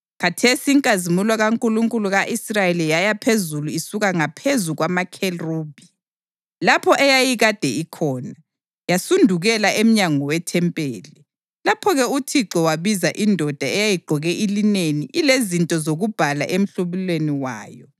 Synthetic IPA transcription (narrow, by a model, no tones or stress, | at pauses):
kʰatʰesiːŋkʼazimulaɣaŋkʼuluŋkʼuluɣaʔisrajelijajapʰezuluisuɣaŋapʰezuɣwamakʰeruːb̥ʱi | lapʰɔʔɛjajiɣad̥ʱɛikʰɔːna | jasundʱuɣɛlaem̩ɲaŋɔwɛtʰɛmpʼeːli | lapʰɔɣɛutʰiǁɔwaβizaʔindʱɔd̥ʱaɛjajiɡ͡ǃʱɔɣɛʔilineniʔilezintʼɔzoɣub̥ʱala̰ʔem̩ɬuβilweniwa̰ːjɔ